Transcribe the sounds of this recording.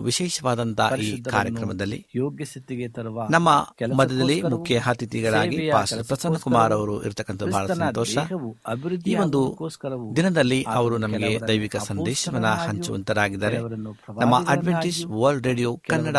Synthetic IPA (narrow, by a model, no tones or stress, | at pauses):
ʋiʃɛːʃɐʋaːd̪ɐnt̪ɐʔiːkaːɾjɐkɾɐmɐd̪ɐlːḭ | nɐmːɐmɐd̪ʱːɛd̪ɐlːimukʰjɐɦɐt̪it̪iɡɐɭaːɡipaːsʈɐɾpɾɐsɐnːɐkumaːɾɐʋɐɾuʔḭɾt̪ɐkːɐnt̪ɐbʱaːɭɐssɐnɔːtʃɐ | iːʋo̞nd̪ud̪inɐd̪ɐlːiɐʋɐɾunɐmɐɡed̪ɐjʋikɐsɐnd̪ɛːʃɐʋɐnːɐhɐɲt͡ʃuʋɐ̰nt̪ɐɾaːɡid̪ːɐːɾenɐmːɐʔɐɖʋeɳʈisʋɐlɖɾeːɖijoːkkɐnːɐɽɐ